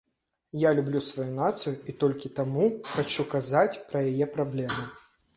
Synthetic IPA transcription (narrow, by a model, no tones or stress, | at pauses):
jalʲublʲusvajunat̪sɨjuit̪ɔlʲkʲit̪amuxat͡ʃukazat͡sʲpɾɐjajɛpɾablʲɛmɨ